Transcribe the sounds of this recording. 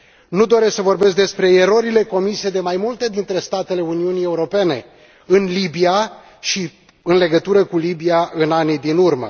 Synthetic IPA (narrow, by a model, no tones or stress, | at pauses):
nud̪o̞ɾesksəvo̞rbe̞sk̚d̪espɾe̞ːɾo̞ɾile̞ko̞mised̪e̞majmult̪e̞d̪int̪ɾe̞st̪at̪e̞le̞uniunie̞uɾo̞pe̞ne̞̰ | ɨnlibia | ʃi | ɨnle̞ɡət̪uɾəkulibiaɨnanid̪inurmə̰